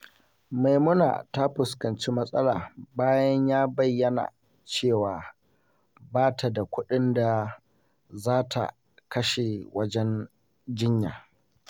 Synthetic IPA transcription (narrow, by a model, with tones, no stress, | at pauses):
ma˨jmʊ˦na̰ː˨ta˦ɸʊ˨skɐ˨nt͡ʃiː˦mɐ˦sʼɐ˦laː˨baː˦jɐ˦ɲjaː˦bɐ˨jːɐ˦na̰˨ | t͡ʃeː˦˨waː˨ | baː˦tʰa˨da˨kʷʊ˦ɗɪ˦nda˨ | zaː˦tʰa̰˨ | kɐ˦ʃe˨wɐ˦d͡ʒɛ˦n | d͡ʒɪ˦ɲjaː˨